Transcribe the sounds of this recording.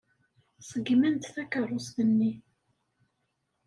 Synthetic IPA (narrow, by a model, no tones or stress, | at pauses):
sˤəɡmənt̪θækərˤːʊsðənːi